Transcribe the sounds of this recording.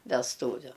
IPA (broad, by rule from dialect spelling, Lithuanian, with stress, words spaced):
ʋʲɛsˈtuːʋʲʊ